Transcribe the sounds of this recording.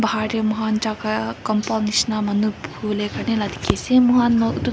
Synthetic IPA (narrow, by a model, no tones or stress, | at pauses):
bʱaːɾemuɦaːnt͡ʃaːkakɐmpoːniʃnamɐnubuːlekɐnelɐd̪ʱi̥kesemuɦaːnmot̪u